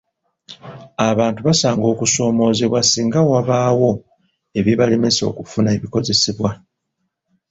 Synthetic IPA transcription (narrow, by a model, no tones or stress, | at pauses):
aβaːntuβasaːŋɡo̞ːkuso̞ːmo̞ːzeβwasiːŋɡawaβaːwo̞ | e̞βiβaleme̞so̞̰ːkufunaeβiko̞ze̞siβwa